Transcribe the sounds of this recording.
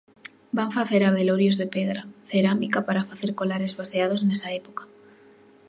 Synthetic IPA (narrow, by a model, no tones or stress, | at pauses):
baɱfaθeɾaβ̞eloɾjozðepeðɾaθeɾamikapaɾafaθeɾkolaɾezβaseað̞oznesaepokḁ